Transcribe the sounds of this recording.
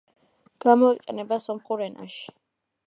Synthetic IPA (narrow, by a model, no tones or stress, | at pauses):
ɡ̥amɔiqʼɛnɛbasɔmχuɾɛnʔa̰ʃi̥